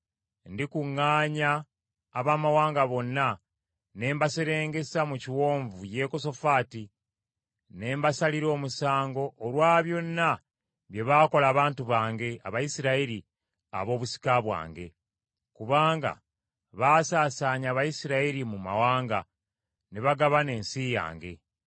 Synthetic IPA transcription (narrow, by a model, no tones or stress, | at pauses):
ndikuŋːaːɲaː | βaːmawaːŋɡaβo̞nːa | ne̞ːmbaseɾe̞ːŋɡe̞samuciwo̞ːɱvuje̞ko̞so̞faːti | ne̞ːmbasaliɾo̞ːmusaːŋɡo̞ʔːlwaːβjo̞nːa | βje̞βaːko̞laːβaːntuβaːŋɡe̞aβajisiɾaiɾi | a̰βo̞ːβusi̥kaβwa̰ːŋɡe̞̰ | kuβaːŋɡa̰ | βaːsaːsaːɲaːβajisiɾaiɾimuma̰waːŋɡa | neβaɡaβane̞ːnsija̰ːŋɡe̞̰